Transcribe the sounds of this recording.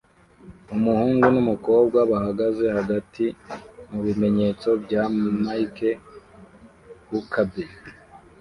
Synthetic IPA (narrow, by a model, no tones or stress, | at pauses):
umuhuːŋɡunumuko̞ːb̚ɡwaβahaɡaze̞haɡatʰimuβime̞ɲe̞t͡so̞bɟamaike | wukʰabe